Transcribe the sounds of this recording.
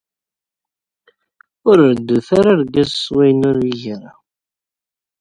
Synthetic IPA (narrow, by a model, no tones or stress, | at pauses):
ʊɾəɾd̪uθaɾaɾɡæzswæjnʊɾiʝɾa